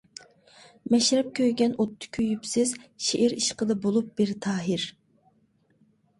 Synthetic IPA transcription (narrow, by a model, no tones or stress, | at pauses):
mɛʃɾɛp̚kʲʰøjɡʲɛnʔot̪ʰːʊ̥kʲʰøjypsɪzʃeʔɪɾiʃqəd̪ɑbolˠup̚b̥ɪɾt̪ʰɑːɦɪɾ